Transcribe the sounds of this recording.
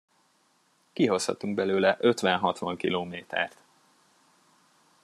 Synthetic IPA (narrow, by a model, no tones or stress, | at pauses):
kiɦo̞shɒ̰t̪uŋɡ̚bɛløːlɛʔø̞t̪ʋɛnɦɒt̪ʋɒŋkiloːmeːt̪ɛ̰rt̪